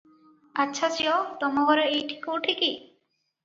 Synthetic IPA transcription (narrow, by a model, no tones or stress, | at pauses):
atːʃʰasiɔt̪ɔmɔɡɔɾɔejʈʰi̥kouʈʰiki